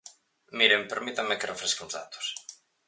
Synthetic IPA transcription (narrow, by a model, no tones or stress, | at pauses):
miɾempeɾmit̪amekerefɾeskeũnzða̰t̪ʊ̥s